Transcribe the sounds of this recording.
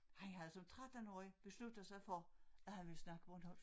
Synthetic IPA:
hænɦæð̩ˠsɒ̽mt͡sʰʁad̥ənɒ̰ib̥e̝slud̥ð̩ˠsɑ̈ɪfɒæhænʋe̝lsnɑ̈ɡ̥əb̥ʁɔnhɒ̽l̰

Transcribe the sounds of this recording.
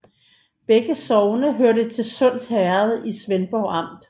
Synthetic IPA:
b̥eɡ̥əsɒʊnəɦøɐɾət͡sʰe̝lsɔ̽n̰d̥hæɐð̞ˠisʋenb̥ɒʊɑ̈m̰d̥

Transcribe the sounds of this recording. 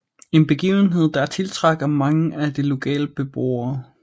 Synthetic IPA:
e̝nb̥e̝ɡ̥ḭːʊn̩ɦe̝ð̞̰ˠd̥ɑ̈t͡sʰe̝lt͡sʰʁɑ̈ɡ̥ɐmɑ̈ŋəæd̥ilo̝kʰɛ̰ːləb̥e̝b̥ʁo̰ɐː

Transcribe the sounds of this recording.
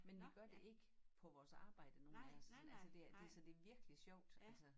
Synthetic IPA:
menʋiɡ̥ɶɐd̥e̝ʔe̝ɡ̥əpʰɒ̽ʋɒːsɑ̈ːb̥ɑ̈ɪ̰d̥əno̝ːn̩æɒsɒnælsəd̥e̝æd̥e̝sɒd̥e̝ɐʋiɐɡ̥əliɕjɒʊ̰d̥ælsə

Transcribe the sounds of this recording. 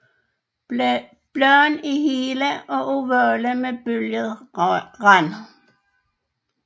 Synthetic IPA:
b̥lœnihiːləʔɒ̽ʔuʋœːləmeb̥øljəðˠʁɑn

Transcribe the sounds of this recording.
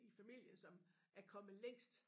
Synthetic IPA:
ifæmil̰jənsɒ̽m | æɐkʰɒ̽məleŋ̰sd̥

